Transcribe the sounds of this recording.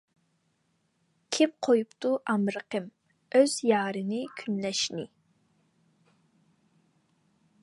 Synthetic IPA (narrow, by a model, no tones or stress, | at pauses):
kʲʰipqʰojupt̪uʔɑmɾəqəm | øz̥jɑːɾɨnɪkʲʰynlɛʃnɪ